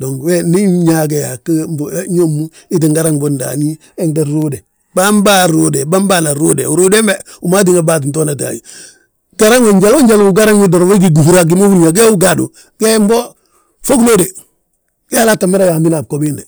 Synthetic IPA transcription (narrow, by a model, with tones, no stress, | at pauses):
do˨ŋɡweni˦ɲak̬e˨jakmbɲo˦mːu˦ | i˦t̬iŋɡaɾa˦ŋbonda̰ni˦ | eŋdaɾu˦de˨ | bamba˦ɾode˨bamba˦na˨ɾo˦dḛu˨ɾu˦de˦meuma˦t̬i˦ŋa˨bat̬i˨nt̬o˦nat̬a̰˨ji˨ | ɡaɾa˦ŋwo˨ɲɟalo˦ɲɟalou˦ɡaɾa˦ŋi˦doɾwe˦ɡ̬iɡu˨hu˦ɾa˨ɡ̬i˨mo˦fu˦nɲa˨ɡ̬e˦u˦ɡadṵ˨ | kembo˦ | fo˦klo˦de˨ | ke˦lata˨me˦ɾa˦ja˨ndi˦na˨b̚ko˨binde˨